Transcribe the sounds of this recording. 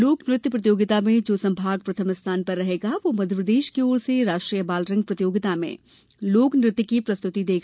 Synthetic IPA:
loːknɾɪt̪jpɾəɐt̪̬ijoːɡɪt̪amẽd͡ʒoːsɐ̃mbʱaːɡ̚pɾɐt̪ʰəmɪst̪ʰaːnpɐɾːɐɦeːɡaʋomɐd̪ʱəpɾəd̪eːʃkeoːɾseɾaːʃʈɾijəbaːlɾɐ̃ŋɡ̚pɾɐt̪ijoːɡɪt̪amḛ̃ː | loːknɾɪt̪ːkipɾɐst̪ʊt̪id̪eːɡa

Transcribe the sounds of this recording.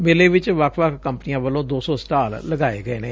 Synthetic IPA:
meːleːʋɪt͡ʃʋəkʰʋəkʰkəmpənijãːʋəlõːd̪oːsɔ̃ːsʈaːlləɡaːeːɡəeːnẽː

